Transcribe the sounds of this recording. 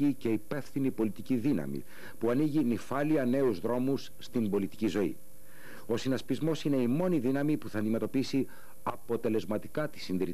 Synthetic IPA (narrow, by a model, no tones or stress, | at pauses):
ice̞ipe̞fθinipo̞lit̪iciðinɐ̰mḭ | puɐniʝinifɐliɐne̞uzðɾo̞musːt̪imbo̞lit̪i̥cizo̞ḭ | o̞sinɐspizmo̞sine̞imo̞niðinɐmipuθɐːnd̪ime̞t̪o̞pisi | ɐpo̞t̪e̞le̞zmɐt̪i̥kɐt̪i̥sinðiɾi